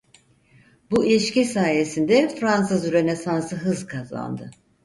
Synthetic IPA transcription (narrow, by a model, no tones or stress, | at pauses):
builʲiʃcisaːje̞sind̪ɛfɾansɯzyɾenesansɯɦɯzkʰaza̰nd̪ɯ